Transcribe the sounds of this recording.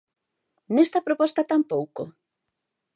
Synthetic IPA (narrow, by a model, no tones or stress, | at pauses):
nest̪ɐpɾopɔst̪ɐt̪ampowko